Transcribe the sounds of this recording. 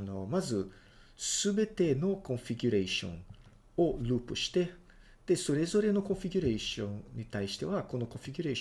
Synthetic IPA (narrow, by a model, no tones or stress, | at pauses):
no̞mazɨ | sɨbe̞t̪e̞no̞kõ̞ɰ̃fʲiɡʲuɾeɕõ̞̰ŋ | o̞ɾɯːpɯ̟ɕi̥t̪e̞ | d̪̥e̞so̞ɾe̞zo̞ɾe̞no̞kõ̞ɰ̃fʲiɡʲuɾeɕõ̞nɲːit̪aiɕi̥t̪e̞βako̞no̞kõ̞fʲiɡʲuɾe